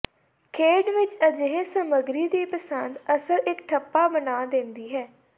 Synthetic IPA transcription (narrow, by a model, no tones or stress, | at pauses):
kʰeːɖʋɪt͡ʃəd͡ʒəɦeːsəməɡɾiːd̪iːpəsənd̪əsəlɪkʈʰəpːaːbənaːd̪ẽːnd̪iːɦɛː